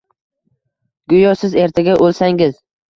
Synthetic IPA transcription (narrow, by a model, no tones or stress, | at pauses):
ɡ̥ʊjɒsɪze̞ɾt̪ʰaɡʲaʔolsaŋɪz̥